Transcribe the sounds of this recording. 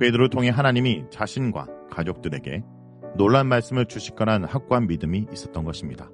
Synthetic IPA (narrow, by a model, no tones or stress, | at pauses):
pe̞dɯɾotʰoŋɦe̞ɦanaɲimit͡ɕaɕʰinɡwa̰kad͡ʑok̚t͈ɯɾe̞ɡe̞̰ | noɭːanmaɭs͈ɯmɯɭt͡ɕuɕʰi̥k͈ʌnanhak̚k͈uɦanmidɯmiːs͈ʌt̚t͈ʌnɡʌɕʰimɲida